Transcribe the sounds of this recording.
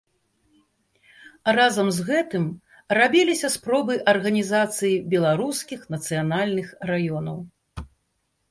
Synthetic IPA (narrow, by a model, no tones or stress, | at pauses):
razɐmzɣɛt̪ɨm | rabʲilʲisʲɐspɾɔbɨʔɐrɣɐnʲizat̪sɨjibʲɛlˠaɾuskʲixnɐt̪sɨjanalʲnɨxrajɔnɐw